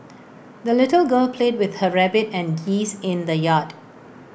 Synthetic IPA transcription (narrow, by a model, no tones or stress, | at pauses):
d̪əlɪtəlɡəːlpʰleːd̚wɪd̪̥həɹæbɪtɛ̃nɡiːzɪ̃nd̪əjaːd